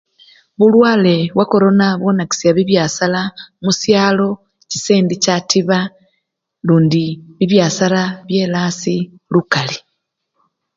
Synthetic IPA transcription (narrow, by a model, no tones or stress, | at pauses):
βulwaːle̞βwʔako̞ɾo̞naβwo̞naki̥siaβiβjaːsalamusjaːlo̞ | ci̥seːndicatʰiβa | luːndiβiβjaːsalaβje̞ːlaːsi | lukali